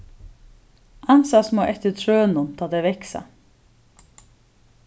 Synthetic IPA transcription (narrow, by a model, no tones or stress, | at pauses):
ansasmoʔɛht̪ɪɾt̪ʰɾøːnʊnt̪ʰaːt̪ɛvɛhksa̰